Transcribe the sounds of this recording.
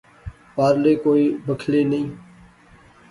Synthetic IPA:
paːɾleːkoːiːbʱəkʰleːnəĩː

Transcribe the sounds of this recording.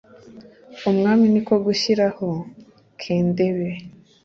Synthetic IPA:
omŋaːminiko̞ɡuɕiɾaho | kʰeːnde̞βe̞

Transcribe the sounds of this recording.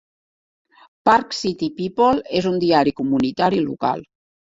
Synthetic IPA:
paɾksit̪ipipolezund̪iaɾikumunit̪aɾilṵka̰lˠ

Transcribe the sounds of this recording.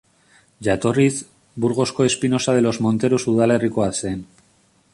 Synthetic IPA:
ʝat̪o̞riz | buɾɣo̞sko̞e̞spino̞sað̞e̞lo̞zmo̞nt̪e̞ɾusuðale̞riko̞aseen

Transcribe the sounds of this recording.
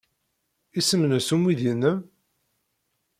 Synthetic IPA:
isəmnəsumwiðjənːəm

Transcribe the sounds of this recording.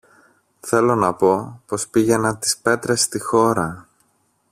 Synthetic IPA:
θe̞lo̞nɐpo̞po̞spiʝe̞nɐnt̪i̥spe̞t̪ɾe̞st̪ixo̞ɾɐ

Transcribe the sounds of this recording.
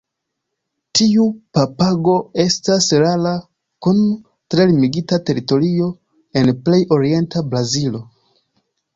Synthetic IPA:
tiupapaɡo̞e̞stasɾala | kun | tɾe̞limiɡitate̞ɾito̞ɾio̞ | e̞nple̞jo̞ɾie̞ntabɾazilo̞

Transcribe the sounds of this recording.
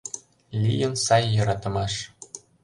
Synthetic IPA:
lʲijə̆nsɑjːɤ̆ɾɑt̪ɤ̆mɑʃ

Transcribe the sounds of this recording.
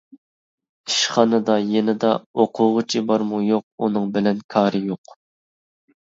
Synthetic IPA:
iʃχɑnɨd̪ɑjenɪd̪ɑoqʰʊʁʊt͡ʃʰibɑɾmujoq̚unɨŋbɪlɛnkʰɑːɾɨjoq

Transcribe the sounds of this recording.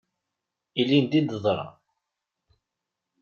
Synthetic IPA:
ilind̪id̪əðˤɾˤɑ̰

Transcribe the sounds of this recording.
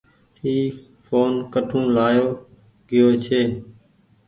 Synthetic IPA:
iː | foːnkəʈʰũːlaːjoː | ɡɪjoːt͡ʃʰeː

